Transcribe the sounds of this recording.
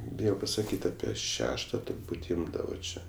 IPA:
ˈbʲɪjoː pɐsɐˈkʲiːtʲ ˈɑːpʲiɛ ˈʃʲæːʃtɐ tʊrˈbuːtʲ ˈɪmdɐʋoː ˈt͡ʃʲɛ

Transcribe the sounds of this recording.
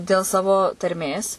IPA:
dʲeːlˠ ˈsɑːʋoː tɐrʲˈmʲeːs

